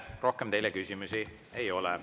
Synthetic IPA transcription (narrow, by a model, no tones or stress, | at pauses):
rʔo̞hkemt̪e̞jlekysimusi | ejo̞lɛ